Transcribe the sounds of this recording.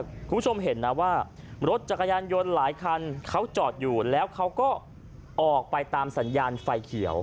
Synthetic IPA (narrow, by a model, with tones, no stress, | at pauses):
kʰuː˧mbʰt͡ɕʰo˧mɦe˩˦nːa˦˥waː˥˩ | ɾo˦˥t̪̚t͡ɕa˨˩kʰa˧jaː˧njo˧nlaː˩˦jkʰa˧nkʰa˦˥wt͡ɕɔː˨˩t̪̚juː˨˩lɛː˦˥wkʰa˦˥wkɔː˥˩ | ʔɔː˨˩k̚pa˧jt̪aː˧msa˩˦njaː˧nfa˧jkʰi˩˦əw